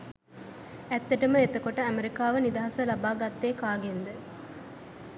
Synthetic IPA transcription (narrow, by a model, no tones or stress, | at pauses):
ɛt̪ːeʈəməet̪ɐkoʈəɐmeɾikaːʋənid̪ɐɦɐsɐlɐbaːɡat̪ːeːkaːɡend̪ə